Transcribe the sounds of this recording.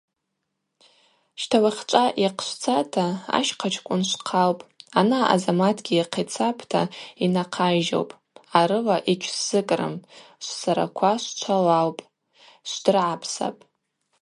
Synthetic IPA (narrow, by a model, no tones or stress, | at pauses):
ʃtʰawaχʲt͡ʃʷʼaʔiqʰʃʷt͡sʰatʰaa̰ʃqʰat͡ʃʰkʷʼʊnʃʷqʰawpʼanaa̰zamatʰɡʲiiqʰit͡sʰapʰtʰa̰inaqʰaʒo̰wpʼ | aɾɨlaʔit͡ʃʲʷʰsz̥ɨkʼrɨ̰mʃʷsaɾa̰kʷʰaʃʷt͡ʃʷʰalawpʼ | ʃʷd̥ɨrʕapʰsa̰pʼ